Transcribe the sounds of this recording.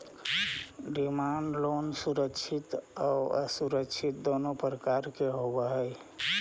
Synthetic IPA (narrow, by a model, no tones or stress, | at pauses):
ɖimaɳɖlonsuɾəkt͡ʃʰit̪aəsuɾəkt͡ʃʰit̪̚d̪onopɾəkaɾkeɦobəɦəj